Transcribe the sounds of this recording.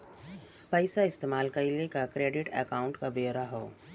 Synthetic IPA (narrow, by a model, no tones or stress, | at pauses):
pɛɪsaɪst̪eːmaːlkɐilekakɾeːɖɪʈɛkaːʊ̃ɳʈkabeːɾaɦoː